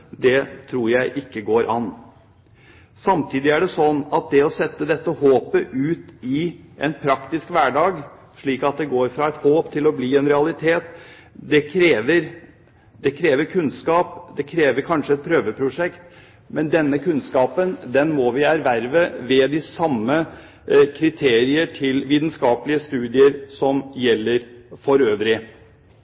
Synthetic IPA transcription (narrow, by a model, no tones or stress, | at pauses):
d̪ɛt̪ʰɾuːɾjæɪʔɪkːəɡoːɾʔɑn | sɑmt̪ʰiːd̪ɪæɖɛsɔnːɑt̪̚d̪ɛɔsɛt̪ːəd̪ɛt̪ːəhoːpəʔʉːt̪ɪʔɛnpʰɾɑkt̪ɪskʋæːɖɑːɡ | ʂɭiːkɑt̪̚d̪ɛɡoːɾfɾɑɛt̪hoːpt̪ʰɪlɔbliːɛnɾɛɑlɪt̪ʰeːt̪ | d̪ɛkʰɾeːʋəɾ | d̪ɛkʰɾeːʋəɾkʰʉnskɑːpd̪ɛkʰɾeːʋəɾkʰɑnʂəɛt̪̚pʰɾøːʋəpʰɾʊʂɛkt̪ | mɛnd̪ɛnːəkʰʉnskɑːpənd̪ɛnmɔʋɪæɾʋæɾʋəʋɛd̪ɪsɑmːə | kʰɾɪt̪ʰeːɾɪəʈʰɪlʋiːd̪nskɑːpəlɪəst̪ʉːd̪ɪəɾsɔmjɛlːəɾfɔɾøːʋɾɪ